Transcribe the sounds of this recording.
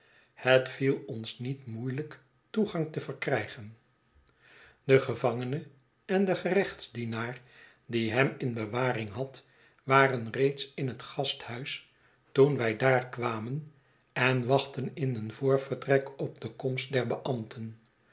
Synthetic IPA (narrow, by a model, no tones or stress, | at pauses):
hətfilˠɔnsnitmujlək | tuχɑŋtəvərkrɛjχən | dəχəvɑŋənə | ɛndəχərɛχtzdinaːɹ | diɦɛmɪnbəʋaːrɪŋɦɑt | ʋaːrənrejtsɪnɦətχɑsthœɥs | tunʋɛjdaːɹkʋaːmən | ɛnʋɑχtənɪnənvʊːɹv̥ərtrɛkɔp̚dəkɔmst̚dɛɹbəʔɑmtʰən